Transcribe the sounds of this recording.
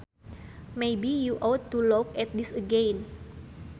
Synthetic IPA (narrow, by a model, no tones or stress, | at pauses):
mejbijuʔɔt̪ːulɔkɛt̪̚disəɡẽn